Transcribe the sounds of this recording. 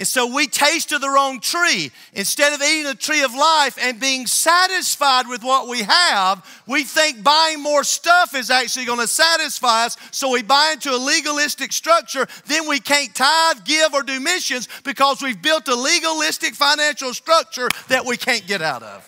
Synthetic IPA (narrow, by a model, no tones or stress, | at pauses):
ɨ̃nsoʊwitʰeɪstɨðə˞ɔ̃ʊ̃ŋtʰɹ̥i | ɨ̃nstɛɾʌviɾɪ̃ŋɨtʰɹ̥iʌvlaɪfɨ̃nbiɪ̃ŋsæɾɨsfaɪd̚wɨðwʌʔ̚wiəv | wiθɪ̃ŋk̚b̥aɪɪ̃ŋmɔɹstʌfɨzæk̚t͡ʃʉl̩ˠiɡʌnɨsæɾɨsfaɪʌsːoʊwibaɪɪ̃ntʰuəliɡəlɪstɨkstɹ̥ʌk̚t͡ʃə˞ðɨ̃nwikʰæ̃ntʰaɪvɡɪvə˞dɨmɪʃɨ̃nzb̥ɨkʰʌzwivbɪlˠtəliɡəlɪstɨkfãɪ̃næ̃nʃl̩ˠstɹ̥ʌk̚t͡ʃə˞ðɨʔ̚wikʰæ̃nɡ̥ɛɾaʊɾʌ̰v̥